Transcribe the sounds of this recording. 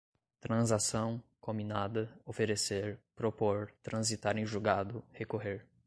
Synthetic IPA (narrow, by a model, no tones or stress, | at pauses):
t̪ɾɐ̃zasɐ̃w̃kõmbinad̪ɐofeɾeseɾpɾopoɾt̪ɾɐ̃zit̪aɾẽj̃ʒuɡad̪ʊhekoɦeɾ